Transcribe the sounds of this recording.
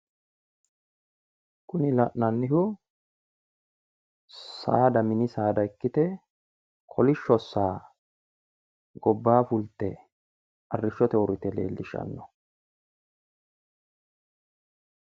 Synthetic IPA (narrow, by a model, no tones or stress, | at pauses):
kʊnɪlɐʔnɐnːɪhʊ | sa̰ːd̪ɐmɪnɪsaːd̪ɐɪkːɪt̪ɛ | kʰɔlɪʃːɔsːaː | ɡɔbːaːfʊlt̪ːɛ | ʔɐrːɪʃːɔt̪ɛɔɾɪt̪ɛle̞̰ːlːɪʃɐ̰nːɔ